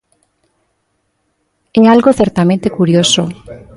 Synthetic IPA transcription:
eŋalɣoθeɾt̪amẽnt̪ekuɾjoso

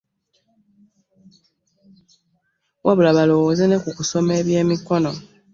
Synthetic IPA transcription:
wʔaβulaβalo̞woːze̞ne̞kukuso̞me̞ːβje̞ːmiko̞no̞

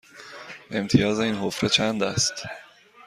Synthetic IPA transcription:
ʔe̞mt̪ʰijɒːzeiːnɦofɾet͡ʃʰænd̪æst̪

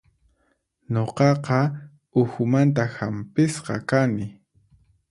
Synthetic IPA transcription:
ɲoqɑqɑ | ʊxʊmant̪ahampɪsqɑ̰kanɪ

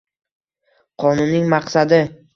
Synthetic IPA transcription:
qʰɒnʊnːɪŋmɑqsad̪ɪ

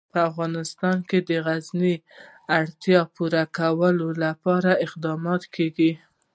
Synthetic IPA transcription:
pəafɣɑnɪst̪ɑnked̪əɣazni | aɽt̪jɑpuɾakawəlolapɑɾaɪqd̪ɑmɑt̪kʰeɡi

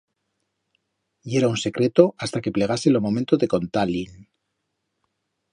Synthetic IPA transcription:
e̞ɾaunse̞kɾe̞t̪o̞ʔast̪ake̞ple̞ɣ̞ase̞lomo̞mẽnt̪oðe̞ko̞nt̪alin

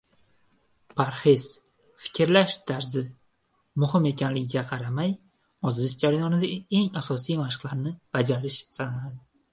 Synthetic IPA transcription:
pʰaɾχez | fɪ̥kʲʰɾlaʃt̪ʰaɾzɪ | mʊhɪme̞kʲʰanlɪɡʲɪɡʲaqʰɑɾamaj | ɒzɪt̪d͡ʒaɾajɒnɪd̪ae̞ŋasɒsijmaʃɪ̥qlˠaɾnɪb̥ad͡ʒaɾɪʃsananad̪ɪ

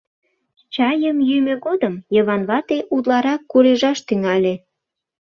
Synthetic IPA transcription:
t͡ɕɑjəmjymøɣod̪əmjəβɑnβɑt̪eʔud̪lɑɾɑkːuɾeʒɑʃt̪yŋɑlʲe

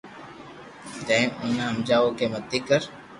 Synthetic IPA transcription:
t̪ə̃ẽʔʊnɦəmd͡ʒaːʋoːkeːmət̪ːiːkəɾ

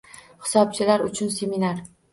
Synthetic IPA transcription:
hɪ̥sɒb̚t͡ʃʰɪlaɾʊt͡ʃʰʊnseminaɾ

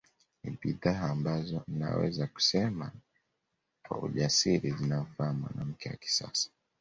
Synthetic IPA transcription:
niɓiðaaːmbazɔnina̰wɛ̰zaku̥sɛma | kwa̰ṵʄasiɾizinam̩faamwa̰nam̩kɛwa̰ki̥sa̰sḁ

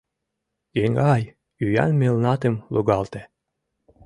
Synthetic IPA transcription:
eŋɡɑj | yjæ̰nmelnɑt̪ĕmluɡɑlt̪e

